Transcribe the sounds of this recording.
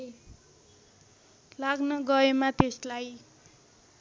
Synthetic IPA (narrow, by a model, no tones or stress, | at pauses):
laɡnʌɡʌemat̪eslaj